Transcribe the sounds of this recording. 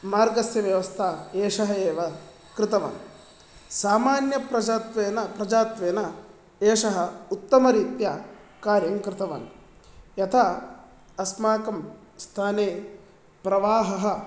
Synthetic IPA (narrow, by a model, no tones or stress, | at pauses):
maːɾɡɐsjɐʋjɐʋɐst̪ʰaːeːʂɐɦɐeːʋɐ | kɾɪt̪ɐʋa̰ːn | saːmaːnjɐpɾɐd͡ʒaːt̪ʋeːnɐpɾɐd͡ʒaːt̪ʋeːnɐ | eːʂɐɦɐut̪ːɐmɐɾiːt̪jɐ | kaːɾjɐŋkɾɪt̪ɐʋa̰ːn | jɐt̪ʰa | ɐsmaːkɐm | st̪ʰaːneː | pɾɐʋaːɦɐɦɐ̆